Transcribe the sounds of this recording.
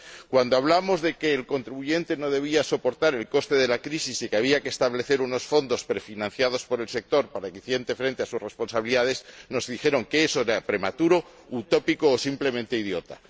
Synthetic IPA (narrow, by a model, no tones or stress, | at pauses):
kwand̪oaβ̞lamo̞zðe̞ke̞ːlko̞nt̪ɾiβuʝe̞nt̪e̞no̞ð̞e̞β̞iaso̞po̞ɾt̪aɾe̞lko̞st̪e̞ðe̞lakɾisisikeaβiakeːst̪aβle̞θe̞ɾuno̞sfo̞nd̪o̞spɾe̞finãn̟θjað̞o̞spo̞ɾe̞lse̞k̚t̪o̞ɾpaɾakeθje̞nt̪e̞fɾe̞nt̪e̞asusre̞spo̞nsaβiliðaðe̞sno̞zðixe̞ɾo̞ŋke̞eso̞eɾapɾe̞mat̪uɾo̞ | ut̪o̞pikoːsimple̞mẽnt̪e̞ið̞jo̞t̪a